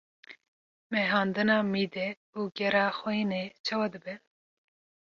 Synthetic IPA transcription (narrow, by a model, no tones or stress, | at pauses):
mɛɦɑːnd̪ɨnɑːmiːd̪ɛ | uːɡɛɾɑːxɔinet͡ʃʰɑwɑd̪ɨbɛ